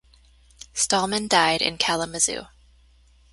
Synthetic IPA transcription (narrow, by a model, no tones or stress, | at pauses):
stɑlˠmɨ̃ndaɪɾɨ̰̃nkʰælˠəmɨzʉ̰